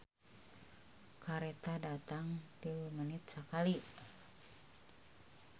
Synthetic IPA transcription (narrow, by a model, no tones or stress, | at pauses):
kaɾet̪adat̪aŋt̪iwumanit̪̚səkali